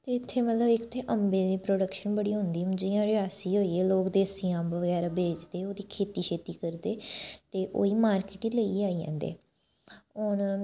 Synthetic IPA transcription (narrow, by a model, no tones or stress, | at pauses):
t̪eːɪt̪ʰːeːmət̪ləbɪkt̪ʰeːʔəmbeːd̪iːpɾoːɖəkʃənbəɽiːɦʊ̃nd̪iːd͡ʒɪjãːɾɪaːsiːɦoːiːeːloːkd̪eːəsijãːbəɡɛːɾaːbeːd͡ʒd̪eːoːd̪iːkʰeːt̪iːkʰeːt̪iːkəɾd̪eːt̪eːʔo̰ːiːmaːɾkɪʈiːləiːaːiːã̰ːnd̪ḛː | ɔːn